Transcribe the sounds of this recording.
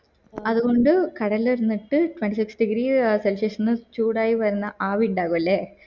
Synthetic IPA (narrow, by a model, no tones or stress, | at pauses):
ɐðuɣo̞ɳɖɨkɐɽɐlːiɾunːiʈːɨʈwʋeɳʈisiksɖiɡɾiselseʂɐnːɨt͡ɕuːɽaːjiʋɐɾunːɐʔaːʋiɳɖaːɣumɐlːeː